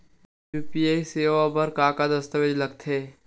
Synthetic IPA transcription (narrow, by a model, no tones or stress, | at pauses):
juːpiaːiseːʋabɐɾkaːkad̪ɐst̪əʋed͡ʒlɐɡ̚t̪ʰeː